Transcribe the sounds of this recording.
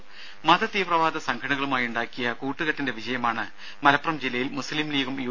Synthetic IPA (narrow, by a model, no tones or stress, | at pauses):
mɐd̪ɐt̪ːiːprɐʋaːd̪ɐsɐŋkʰɐɽɐɣɐɭumaːjuɳɖaːkːijɐkuːʈːuɣɐʈːinde̞ʋit͡ɕɐjɐmaːɳɨ | mɐlɐpːrɐmd͡ʑilɐjilmuslimliːɣumjuː